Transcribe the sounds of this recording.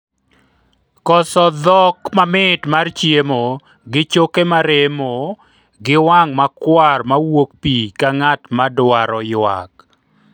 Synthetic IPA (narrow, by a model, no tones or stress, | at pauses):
kɔsɔd̪ɔkmamɪtmart͡ʃjemo | ɡɪt͡ʃokemaɾemo | ɡɪwaŋmakwarmawok̚pikaŋatmadwaɾɔjwa̰k